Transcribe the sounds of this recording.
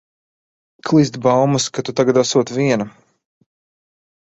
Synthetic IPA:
kʰlˠizt̪bawmuskat̪ut̪aɡad̪asuɔt̪viɛnɐ

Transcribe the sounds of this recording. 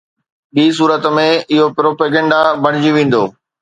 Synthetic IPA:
ɗiːs̬uːɾət̪mẽɪɦopɾoːpeːɡɛ̃ːɳɖabɐɽ̤ɪd͡ʑiʋẽːn̆d̪oː

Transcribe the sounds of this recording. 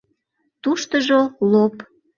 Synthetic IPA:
t̪uʃt̪əʒolop

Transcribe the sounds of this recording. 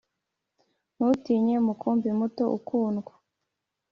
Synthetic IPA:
nutiːɲemukʰumbimuto̞ʔṵkuːnɡwḁ

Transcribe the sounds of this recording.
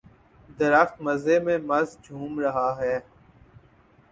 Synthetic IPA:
d̪əɾəxt̪məzemẽːmɐzd͡ʒʱuːmɾəɦaɦɛː

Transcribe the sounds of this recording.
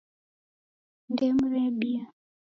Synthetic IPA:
ndɛmɾɛbia

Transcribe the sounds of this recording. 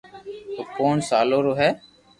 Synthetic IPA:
oːkoːɳsaːloːɾoːɦɛː

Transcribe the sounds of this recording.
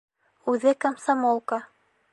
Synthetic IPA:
ʉðɘkamsamolˠkɑ

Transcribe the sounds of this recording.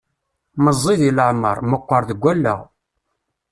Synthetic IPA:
məzˤːiðiləʕmə̰ɾˤməqʷːəɾˤðəɡʷːælːə̰ʁ

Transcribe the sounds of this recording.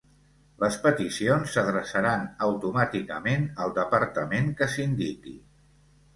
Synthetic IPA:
ləspət̪isionsəðɾəsəɾanəwt̪umat̪ikəmenəlˠd̪əpəɾt̪əmeŋkəsind̪ikḭ

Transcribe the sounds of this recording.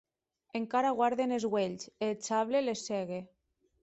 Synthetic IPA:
eŋkaɾaɣwaɾðenezɣweʎselt͡ʃaβleleseɣe

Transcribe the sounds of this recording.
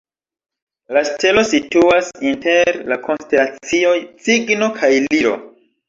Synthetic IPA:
laste̞lo̞situasinte̞ɾlako̞nstelat͡sio̞jt͡siɡno̞kʰajliɾo̰

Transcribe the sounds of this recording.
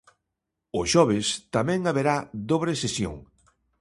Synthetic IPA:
ʊʃɔβ̞ɪst̪amɛ̃ŋaβeɾaðoβɾesesjo̰ŋ

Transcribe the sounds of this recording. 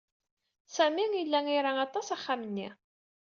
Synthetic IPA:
sæmiŋjəlːæŋiɾaɑt̪ˤɑsɑχːamənːi

